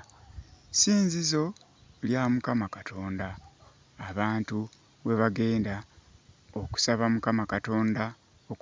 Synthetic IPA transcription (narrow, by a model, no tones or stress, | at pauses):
siːnzizo̞ | ljaːmukamakatʰo̞ːndaː | βaːntu | we̞βaɡe̞ːnda | o̞ku̥saβamukamakato̞ːnda | ok